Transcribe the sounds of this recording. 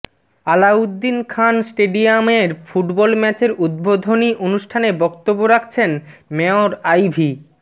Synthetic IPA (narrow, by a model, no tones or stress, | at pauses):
alaud̪ːinkʰansʈeɖiameɾfuʈbɔlmɛt͡ɕeɾud̪̚bod̪ʱoniʔonuʃʈʰanebɔkt̪obːoɾakʰt͡ɕʰenmɛoɾajbʱi